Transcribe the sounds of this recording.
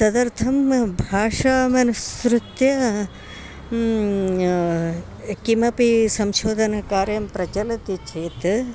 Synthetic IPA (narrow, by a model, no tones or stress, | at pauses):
sɐd̪ɐɾt̪ʰɐmbʱaːʂaːmɐnɐsɾut̪jɐ | kimɐpisɐmʃoːd̪ʱɐnɐkaːɾjɐmpɾɐt͡ʃɐlɐt̪it͡ʃʰɐt̪